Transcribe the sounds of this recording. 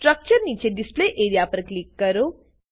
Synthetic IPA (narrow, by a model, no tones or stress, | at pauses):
ʈɾɐk̚t͡ʃɐɾnĩnt͡ʃeɖispleːʔeːɾijaːpɐɾɐkliːkːɐɾu